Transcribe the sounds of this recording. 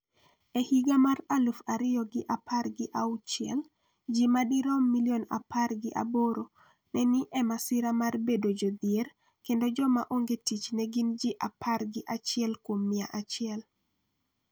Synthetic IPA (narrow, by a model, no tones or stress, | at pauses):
ɛhiɡamaɾalufaɾɪjɔɡɪʔapʰaɾɡɪʔaut͡ʃɪɛ̰l | d͡ʒimadiɾɔmːilijona̰paɾɡɪʔa̰boɾo | nɛnɪʔɛmasɪɾamarbedod͡ʒɔd̪ɪeɾ | kendɔd͡ʒɔma̰ʔoŋɡetit͡ʃnɛɡind͡ʒiʔapʰaɾɡɪʔat͡ʃɪɛlkwomːɪaʔat͡ʃɪɛl